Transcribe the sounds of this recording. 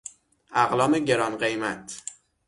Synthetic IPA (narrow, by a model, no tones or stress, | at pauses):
ʔæɣlɒːmeɟe̞ɾɒnɢejmæt̪ʰ